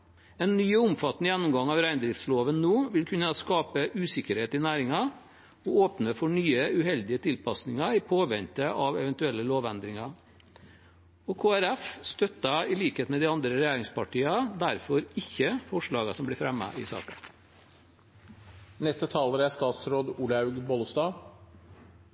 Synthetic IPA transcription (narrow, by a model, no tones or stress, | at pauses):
ɛːnːyːʊmfɑt̪ːnəjɛnːʊmɡɑŋɑʋɾæɪnd̪ɾɪft̪sloːʋənnoːʋɪlkʰʉnːɑskɑːpəʔʉːsɪkəɾheːt̪ɪnæːɾɪŋɑ | ɔoːpnəfɔɳyːəʉhɛld̪ɪət̪ʰɪlpʰɑsnɪŋɑɪpʰoːʋɛnt̪əʔɑʋɛʋɛnt̪ʉɛlːəloːʋɛnd̪ɾɪŋɑ | ɔkʰoːæɾɛfst̪œt̪ːɑɪliːkeːt̪mɛd̪ɪɑnd̪ɾəɾɛjæːɾɪŋspɑʈiːɑd̪æɾfɔɾɪçːəfɔʂɭɑːɡɑsɔmblɪːfɾɛmːɑ̰ʔɪ̰sɑ̰ːkə | nɛst̪ət̪ʰɑːləɾæst̪ɑːt̪sɾoːd̪uːlɑʉɡbɔlst̪ɑː